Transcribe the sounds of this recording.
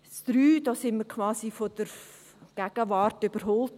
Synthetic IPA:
sd̥ɾyːd̥ɔːsɪnməɾkʰʋaːsifod̥əɾ | ɡ̥ɛɡ̥əʋɑɾtyb̥əɾɦɔlt

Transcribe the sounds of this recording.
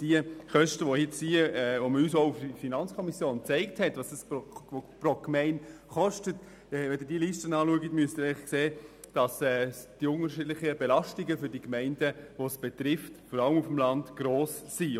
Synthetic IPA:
d̥iəχœʃtəʋohɪtsiəɛʋoməɾyːsoʊufd̥ifinɑnt͡skʰɔmisjoːnt͡sɛɪk̚thɛtvɑsd̥ɑsoprɔkmɛɪn | χɔʃtət | ɛʋɛdɪd̥iəliʃtənɑːluəɡətmyəstɪɛχkseː | d̥ɑsɛːd̥iʊŋəɾʃɪdlɪχəbɛlɑʃtiɡəfʏɾdikmɛɪnd̥əʋosb̥etɾɪftfɔɾɑləmufm̩lɑndɡ̥ɾoːsːi

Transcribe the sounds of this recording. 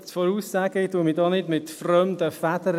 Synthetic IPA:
t͡sfɔɾuːsːæːɡɪtuəmidɑːnɪdmɪtfrœmd̪əfæd̥̪əɾ

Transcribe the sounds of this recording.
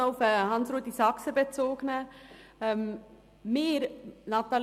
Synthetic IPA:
ʊfəhɑnsɾoət̪isɑksəbet͡soːɡ̥nə | m | meːɾnɑt̪ɑl

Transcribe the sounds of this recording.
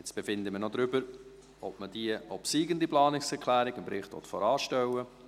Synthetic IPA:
jɛt͡sb̥efɪnd̪əmənɔd̪ɾʏbəɾ | ɔp̚məd̥iəɔpsiːɡəndiplɑːnɪksɛɾkʰlæːɾɪɡɪmpɾɪχtʋɔ̰t̪fɔɾɑːʃtɛwə

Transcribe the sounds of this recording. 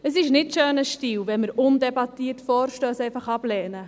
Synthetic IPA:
əsɪʃnɪtʃøːnəʃtiːwvɛnməɾʊndɛbɑtiːərtfɔːɾʃtøːsɛjfɑχɑb̥lɛːnə

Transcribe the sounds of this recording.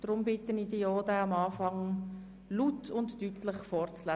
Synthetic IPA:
d̥ɾʊmbɪtənidioːdɛɑmɑːfɑŋ | lutʰʊnttytləχfɔːrt͡slæ

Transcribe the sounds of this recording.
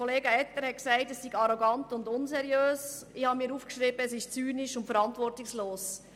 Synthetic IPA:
oleːɡəɛtːəɾhɛtksæɪtɛsːiɡɑɾoɡɑntʊndʊnsɛɾjøːs | ɪhɑmiːɾuːfkʃɾib̥əɛsɪʃt͡syːnɪʃʊntfəɾɑntvʋɔrtɪksloːs

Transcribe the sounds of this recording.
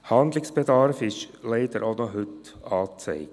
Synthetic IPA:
hɑnd̪lɪksb̥ɛd̪ɑɾfɪʃleɪd̪əɾʔoʊnɔɦʏt | ɑːt͡sɛ̰ɪɡ

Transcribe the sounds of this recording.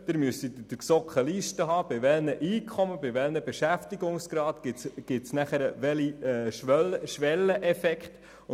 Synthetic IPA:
d̥̪ɪɾmyəsid̪ɪd̥̪əsɔkχəliːʃtəɦɑːb̥ɪʋɛlnəʔiːkʰɔməbɪʋɛlnəbeʃæftiɡʊŋsɡ̥ɾɑːt̪ɡ̥ɪɡ̥ɪtsnæχəɾəʋɛliɛʃœləʃʋɛlːəʔɛfɛkχt̪

